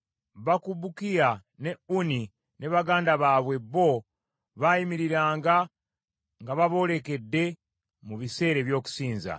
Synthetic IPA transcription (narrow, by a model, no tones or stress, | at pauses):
βakuβukija | ne̞uni | nʔe̞βaɡaːndaβaːβwe̞βo̞ | βajimiɾiɾaːŋɡa | ŋɡaβaβo̞le̞ke̞dːe̞ | muβise̞ːɾe̞βjo̞ːku̥siːnza̰